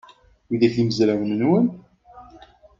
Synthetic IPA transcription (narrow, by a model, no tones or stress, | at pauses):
iðæθiməzɾæmnənwən